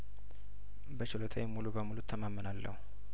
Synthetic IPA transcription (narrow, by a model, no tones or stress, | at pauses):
bət͡ʃɪlot̪ʰa̰jɛmulubəmulut̪ʰːəmamːənalːə̰hu